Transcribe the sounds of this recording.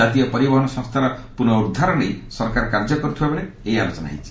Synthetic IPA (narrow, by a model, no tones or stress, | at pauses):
at̪ijɔpɔɾibɔɦɔɳɔsɔŋst̪ʰaɾɔpunɔuɾd̪ʱaɾɔɽejsɔɾkaɾkaɾd͡ʒɔkɔɾut̪ʰibabɔɽe | ejalot͡ʃɔna̰ɦḭt͡ʃʰi̥